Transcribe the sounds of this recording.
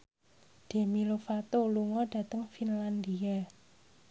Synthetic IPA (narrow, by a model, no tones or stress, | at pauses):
ɖ̥e̤milofat̪oluŋɔɖ̥ä̤t̪əŋfinland̪ia